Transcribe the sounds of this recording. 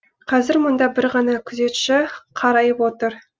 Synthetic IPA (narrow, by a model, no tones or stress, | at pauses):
qʰɑzɪɾmʊnd̪ɑbɪɾʁɑnɑkʲʰʏze̞t̪ʃɪqʰɑɾɑjəpwo̞t̪əɾ